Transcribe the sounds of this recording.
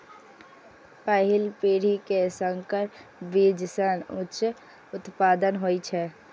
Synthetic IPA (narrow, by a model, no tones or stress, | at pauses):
pəɦɪlpiːɽ̤ikesəŋkəɾbid͡ʒsənʊt͡ʃ | ʊt̪paːd̪ənɦoːit͡ʃʰɛ